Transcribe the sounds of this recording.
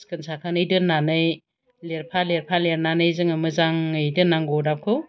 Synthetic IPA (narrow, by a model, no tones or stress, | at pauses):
skʰɯnsakʰanɯjdɯnːanɯj | leɾpʰaleɾpʰaleɾnanɯjzɯŋɯmɯzaŋɯjdɯnːaŋɡɔdakʰɯw